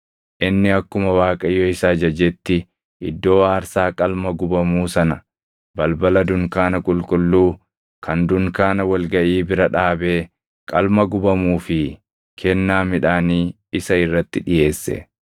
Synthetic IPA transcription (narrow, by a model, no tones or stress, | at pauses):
ʔɪnːɪɐkːʊmɐwaːkʼɐjɔɪsaːd͡ʒɐd͡ʒɛt̪ːɪ | ʔɪd̪ːo̞ːaːɾsaːkʼɐlmɐɡʊbɐmuːsɐnɐ | bɐlbɐlɐd̪ʊŋkaːnɐkʼʊlkʼʊlːuː | kʰɐnd̪ʊŋkaːnɐwɐlɡɐʔiːbɪɾɐᶑaːbeː | kʼɐlmɐɡʊbɐmuːfɪ | kʰɛnːaːmɪᶑaːniː | ɪsɐɪrːɐt̪ːɪᶑɪje̞ːsːɛ̰